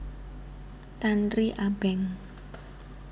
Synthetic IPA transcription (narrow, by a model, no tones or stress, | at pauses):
t̪anriʔab̥ɛŋ